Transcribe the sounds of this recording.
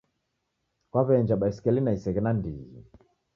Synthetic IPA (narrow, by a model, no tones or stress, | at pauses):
kwaβɛɲd͡ʒaɓaisi̥kɛlinaisɛɣɛnandiɣḭ